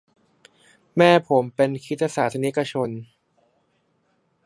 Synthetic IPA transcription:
mɛː˥˩pʰo˩˦mpe˧nkʰi˦˥a˧saː˩˦t̪ʰa˧ni˦˥ka˧t͡ɕʰo˧n

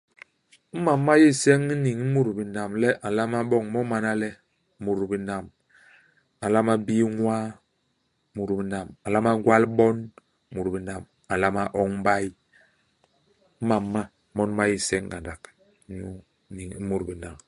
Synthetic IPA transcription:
m̩˦ma˨mːa˦ji˦˨sɛ˦ŋi˦ni˨ŋ̩˦mu˦ɾbi˨na˨mlɛ˦ʔa˨la˦ma˦bɔ˦˨ŋmɔ˦ma˨na˦lɛ˦ | mu˨ɾbi˨na˨m | a˨la˦ma˦bi˦ŋʷwa˦ | mu˨ɾbi˨na˨ma˨la˦ma˦ɡwa˦lbɔ˦n˦ | mu˨ɾbi˨na˨m | a˨la˦ma˦ʔɔ˦ŋm̩˦ba˦j | m̩˦ma˨mːa˦ | mɔ˦n˦ma˦ji˦˨sɛ˦ŋɡa˨nda˨k | ɲu˦ | ni˨ŋ˦mu˨ɾbi˨na˨m

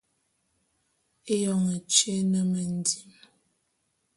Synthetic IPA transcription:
e˦jɔ˨ŋə˨t͡ʃe˦nə˨mə˨n̩˦di˨m

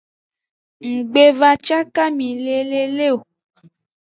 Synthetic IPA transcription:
ŋ̩˨ɡ͡be˦va˧t͡ʃa˦ka˦mĩ˨le˦le˦le˦o˨

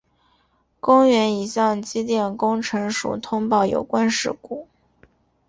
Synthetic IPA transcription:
kʊ˥ŋɥɛ˧˥ni˨˩ɕjɑ˥˩ŋt͡ɕi˥t̪jɛ˥˩nkʊ˥ŋʈ͡ʂʰɤ˧˥ŋʂṵ˨˩t̪ʰʊ˥ŋpɑ˥˩ʊjo̰˨˩ʊkwa˥nʂɻ̩˥˩ku˨˩˦

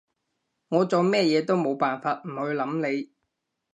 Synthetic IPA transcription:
ŋɔː˨˧t͡soː˨˩mɛː˥jɛː˨˧t̪o˥wmo˨˧wpaː˨nfaː˧t̚m̩˨˩hɵ˨˧ɥlɐ˨˥mle˨˧j

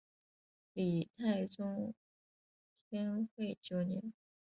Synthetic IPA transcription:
li˨˩t̪ʰa˥˩ɪt͡sʊ˥ŋ | t̪ʰjɛ˥nxwe˥˩ɪt͡ɕjo˨˩ʊnɛ˧˥n

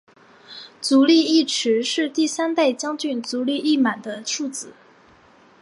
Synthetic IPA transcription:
t͡su˧˥li˥˧i˥˩ʈ͡ʂʰɻ̩˧˥ʂɻ̩˥˧t̪i˥˩sa˥nt̪a˥˩ɪt͡ɕjɑ˥ŋt͡ɕy˥˩nt͡su˧˥li˥˧i˥˩ma˨˩nd̪ə˦ʈ͡ʂʰu˥˩t͡sɹ̩˨˩˦

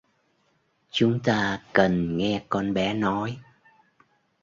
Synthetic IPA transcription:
t͡ɕʊ˨˦ŋ͡mt̪aː˧kə˨˩nŋɛ˧kɔ˧nɓɛ˨˦nɔ˨˦j

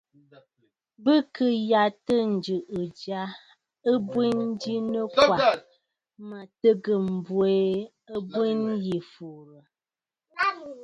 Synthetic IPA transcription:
bə˦kə˦ja˨tə˦n̩˨d͡ʒʉ˨ʔə˨d͡ʒa˨˦ | ə˦bwi˦n˦di˦nə˦kwa˨ | ma˨tə˦ɡə˨m̩˨bwe˦ | ə˦bwi˦nji˨fu˨ɾə˨

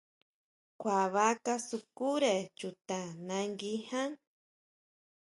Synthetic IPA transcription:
kʷa˨βa˦ka˦su˧ku˦ɾe˨t͡ʃut̪a˨nã˧ŋɡi˦hã˦ŋ

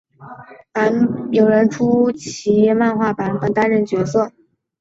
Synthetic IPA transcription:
a˧˥njo˨˩ʊɻə˧˥nʈ͡ʂʰu˥t͡ɕʰi˧˥ma˥˧nxwa˥˩pa˧˥npə˨˩nt̪a˥nɻə˥˩nt͡ɕɥɛ˧˥sɤ˥˩

